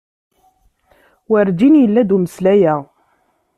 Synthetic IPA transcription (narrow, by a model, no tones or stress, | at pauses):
wəɾd͡ʒinjəlːæd̪uməslæjæ